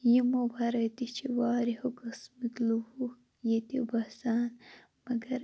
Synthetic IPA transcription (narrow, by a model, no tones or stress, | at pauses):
jimobɐɾɐt̪it͡ʃʰiwaːɾihokɐsmit̪luhu | jet̪ibɐsaːn | mɐɡɐɾ